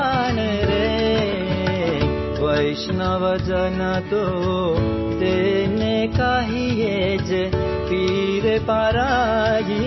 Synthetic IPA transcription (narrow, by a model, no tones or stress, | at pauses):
ɳeɾe | ʋəjʃnaʋəd͡ʒənat̪o | t̪enekaɦijed͡ʒe | piɾepaɾaɦi